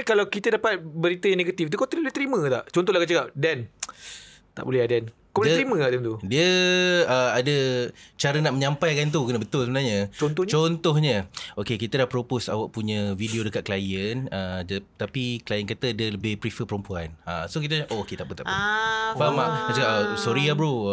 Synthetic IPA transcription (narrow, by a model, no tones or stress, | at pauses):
kalawkit̪ədapat̪̚bəɾit̪əjaneɡat̪ift̪ukat̪ɾibolɛht̪ɾimə̃t̪a̰ʔt͡ʃɔnt̪ɔhlahkat͡ʃəkap̚dɛn | t̪a̰ʔbolɛhadan | kablɾimə̃t̪aʔd̪ɛnt̪udiəəadət͡ʃaɾənaʔməɲãmpajkant̪̬ukənəbət̪ʊlsəbənaɲət͡ʃɔnt̪ɔt͡ʃɔnt̪ɔhɲəokekit̪ədahpɾoposa̰waʔpuɲə̃vidiodəkat̪̚klajənəd͡ʒət̪apiklajənkat̪ədələbɪhpɾifəpəɾəmpuanasok̬it̪̬əaʔooket̪aʔbət̪aʔbofamaat͡ʃəkaʔsoɾiabɾu